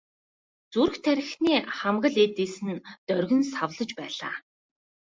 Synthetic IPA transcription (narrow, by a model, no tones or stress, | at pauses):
t͡suɾ̆xt̪ʰæɾʲɪ̆xniːχamɢə̆ɮet̪iːsɘ̆nt̪œrɣɘ̆nsawɮə̆t͡ɕpæːɮa̰ː